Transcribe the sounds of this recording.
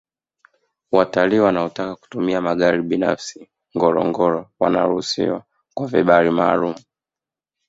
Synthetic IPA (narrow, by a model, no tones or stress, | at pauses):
wataliːwanaɔtakaku̥tumiamaɠaɾiɓina̰fsi | ŋɡɔɾɔ̰ŋɡɔɾɔwa̰na̰ɾuhusḭwa | kwaviɓaɾimaːlumu